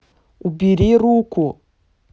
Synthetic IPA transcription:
ubiɾiɾuku

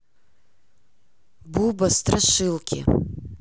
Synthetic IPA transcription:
bubast̪raʂɨlˠkʲɪ̰

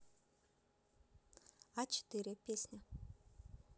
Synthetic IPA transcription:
at͡ʃɪ̥t̪ɨɾʲɪpʲesʲnʲə

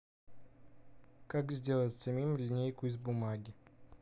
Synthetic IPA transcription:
kakzʲdʲelˠət̪ʲsɐmʲimlʲɪnʲejkʊɪzbʊmaɡʲɪ

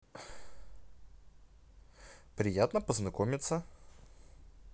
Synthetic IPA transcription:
pɾijat̪nɐpoznɐkɔmit̪sə

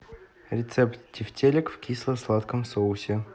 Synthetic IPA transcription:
ɾʲɪt̪sɛpt̪dʲɪftʲelʲɪkfkʲislˠəslˠat̪kəmsoʊsʲɪ

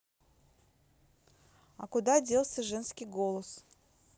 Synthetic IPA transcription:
ɐ̰kʊd̪adʲe̞lˠsʲəʐɛnskʲijɡolˠəs

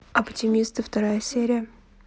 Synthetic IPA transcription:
ɐptʲɪmʲist̪ɨft̪ɐɾajəsʲeɾʲɪjə

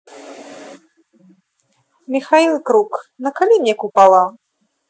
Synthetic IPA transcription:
mʲixailˠkɾuknɐkalʲimnʲɛkupalˠa

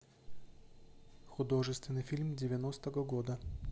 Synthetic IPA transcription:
xʊd̪o̞ʐɨst̪vʲɪnɨjfʲilʲmdʲɪvʲɪnost̪əɣəɡod̪ə

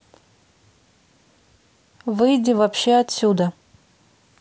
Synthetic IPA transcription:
vɨjdʲɪvapɕːeɐt̪ʲsʲud̪ə

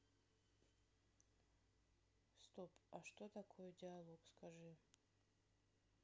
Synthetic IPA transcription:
st̪opʼaʂt̪ot̪akʰojɛdʲialˠoɡskaʐɨ

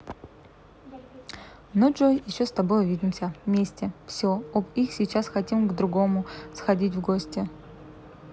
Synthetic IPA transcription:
noʐojjɪɕːost̪ɐbo̞jʊvʲidʲɪmsʲəvmʲesʲtʲɪfsʲoobixsʲit͡ɕasxɐtʲimɡd̪ɾʊɡo̞mʊsxɐdʲitʲvɡosʲtʲɪ

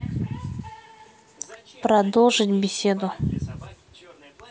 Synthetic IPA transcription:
pɾɐd̪olˠʐɨtʲbʲɪsʲed̪ʊ

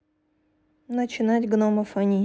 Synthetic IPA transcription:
nət͡ɕɪnatʲɡnoməfɐnʲi

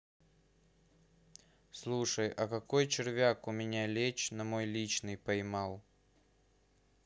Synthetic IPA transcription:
slˠuʂəjɐkɐkojt͡ɕɪrvʲakʊmʲɪnʲalʲet͡ɕnɐmo̞jlʲit͡ɕnɨjpɐjmɑlˠ

